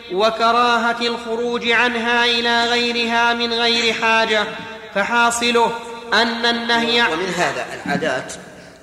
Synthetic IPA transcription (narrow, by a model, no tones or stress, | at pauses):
wakɑɾˤɑːɦaalxʊɾuːd͡ʒʕanɦaːʔɪlaːɣajɾɪɦaːmɪnɣajɾɪħaːd͡ʒa | faħɑːsˤɨlʊhʔanːanːahjmɪnɦaːða̰ːʔa̰lʕa̰ːd̪aːt̪